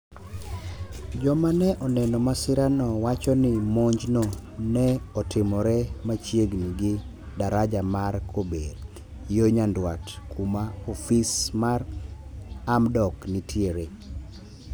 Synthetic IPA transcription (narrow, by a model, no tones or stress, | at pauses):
d͡ʒɔmanɛʔɔnɛnɔmasɪɾanɔwat͡ʃɔnɪmoɲd͡ʒnɔnɛɔtɪmɔɾɛmat͡ʃjeɡniɡɪ | daɾad͡ʒamarkʰobeɾ | joɲandwatkʰumaofismar | amdɔknitʰjeɾe